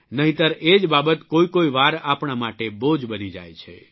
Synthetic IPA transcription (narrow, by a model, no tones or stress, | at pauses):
nəɦĩt̪əɾed͡ʒbabət̪koikoiʋaɾapɳamaʈebod͡ʒbənid͡ʒa̰jt͡ʃʰḛ